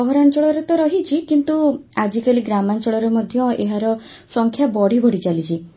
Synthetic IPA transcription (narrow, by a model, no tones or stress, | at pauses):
ɔɦɔɾant͡ʃɔɭɔɾet̪ɔɾɔɦit͡ʃʰikint̪uad͡ʒikaliɡɾamant͡ʃɔɭɔɾemɔd̪ʱjɔeɦaɾɔ | sɔŋkʰjabɔɽ̤ibʱɔɽit͡ʃalit͡ʃʰi